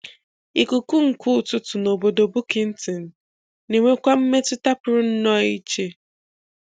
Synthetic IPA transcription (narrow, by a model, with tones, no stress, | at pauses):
i˨kʊ˨kʊ˦ŋ̩˨ku˦˨tʊ˦tʊ˨no˨bo˨do˨bʊ˦kɪ˨n̩˦tɪ˨n̩˨ | ne˨ŋʷe˦kʷa˦m̩˦me˦tʊ˦ta˦pʊ˨ɾʊ˦n̩˦nɔ˦i˦t͡ʃe˦